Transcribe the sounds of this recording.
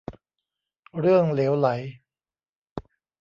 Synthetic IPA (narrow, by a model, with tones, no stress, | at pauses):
ɾɯ˥˩əŋleː˩˦˥wla˩˦j